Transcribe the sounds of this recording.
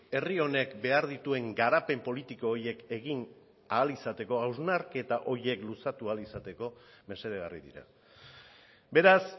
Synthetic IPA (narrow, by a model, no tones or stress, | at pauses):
erio̞ne̞kbe̞aɾðit̪ue̞ŋɡaɾape̞mpo̞lit̪iko̞ːɾje̞ke̞ɣin | aːlisat̪e̞ko̞awznaɾke̞t̪aʔo̞ɾje̞klusat̪ualisat̪e̞ko̞me̞se̞ɾeɣarḭðḭɾa̰ | be̞ɾas